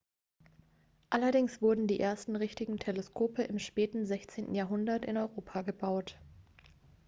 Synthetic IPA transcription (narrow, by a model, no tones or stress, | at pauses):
ʔalɐdɪŋsv̥ʊɐdn̩diːʔeːɐstn̩ʁɪçtɪɡŋ̩tʰeleskʰoːpəʔɪmʃpɛːtn̩zɛçt͡seːntn̩jaːɐɦʊndɐtɪ̰nɔʏʁoːpʰaɡəbaʊt